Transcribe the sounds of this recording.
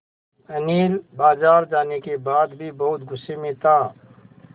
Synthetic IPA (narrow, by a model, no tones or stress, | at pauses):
əniːlbaːzaːɾd͡ʒaːnekebaːd̪bʱibɐɦʊt̪ɡʊsːemẽt̪ʰaː